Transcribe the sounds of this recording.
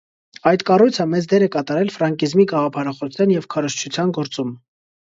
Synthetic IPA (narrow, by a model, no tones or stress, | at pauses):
ɑjd̪kɑrujt͡sʰəmɛt͡sd̪ɛɾɛkɑt̪ɑɾɛlfɾɑŋkizmiɡɑʁɑpʰɑɾɑχɔjɑnjɛvkʰɑɾɔʃt͡ʃʰut͡sʰjɑnɡɔɾt͡sum